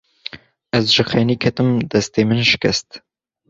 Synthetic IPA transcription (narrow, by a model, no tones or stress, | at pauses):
ɐzʒɨxeːniːkʰɐt̪ɨmd̪ɐst̪eːmɨnʃɪ̥kɐst̪